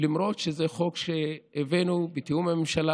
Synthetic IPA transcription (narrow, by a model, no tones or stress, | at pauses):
limɾot̪ʃezeχokʃeːvenubet̪iumamemʃala